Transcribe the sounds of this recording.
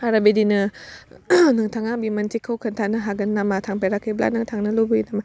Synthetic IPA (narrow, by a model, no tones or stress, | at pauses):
aɾabedinɯ | nɨŋt̪ʰaŋabimantikʰəkʰənt̪ʰanɯɦaɡənːamat̪ʰaŋpeɾakʰɯbla̰nɯŋt̪ʰaŋnɯlubuinama